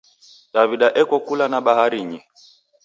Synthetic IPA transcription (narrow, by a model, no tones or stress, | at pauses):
ɗaviɗaʔɛkɔkulanaɓahaɾiɲi